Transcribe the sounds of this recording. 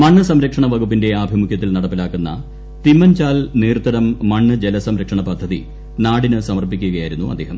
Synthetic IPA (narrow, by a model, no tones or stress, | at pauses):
mɐɳːɨsɐmɾɐkʂɐɳɐʋɐɣupːinde̞aːbʱimukʰjɐt̪ːilnɐɽɐpːilaːkːunːɐ̰ | t̪imːɐnt͡ɕaːlniːrt̪ːɐɾɐmːɐɳːɨd͡ʑelɐsɐmɾɐkʂɐɳɐpɐd̪ʱːɐðḭ | naːɽinɨsɐmɐrpːikʲːuɣɐjaːjiɾunːuɐd̪ːeːɦɐ̰m